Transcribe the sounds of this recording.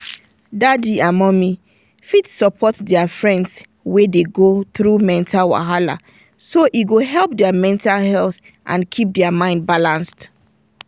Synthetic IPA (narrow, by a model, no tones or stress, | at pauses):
dadiamɔ̃mi | fitsɔpʰɔtdɛafɹɛ̃nds | wedeɡotɹumɛ̃ntʰalwa̰ɦala̰ | soʔiɡoɦɛlˠp̚dɛamɛ̃ntalɦɛlθ | ʔã̰nkʰip̚dɛamãɪ̃nd̚balãnst